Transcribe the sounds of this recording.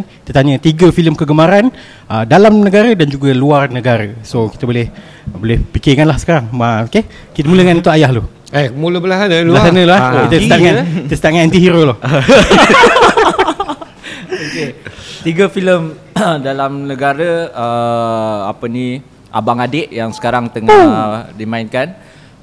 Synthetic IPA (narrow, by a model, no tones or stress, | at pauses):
nkit̪ət̪aɲət̪iɡəfiləmkəɡəmaɾan | ədalamnəɡaɾədand͡ʒuɡaluarnəɡaɾəsoki̥t̪əbolɪh | bolɪhpikɪkanlahsə̥kaɾaŋaoke | kit̪əmuləŋanut̪uajahlo | emuləbəlasanəlbuəasanəloaokit̪əst̪aŋat̪əsət̪aŋannt̪iɦiɾolo | oket̪iɡəfiləm | dalamnəɡaɾəə | a̰pəni | ʔa̰baŋadɪʔjaŋsə̥kaɾaŋt̪əŋaədimainkan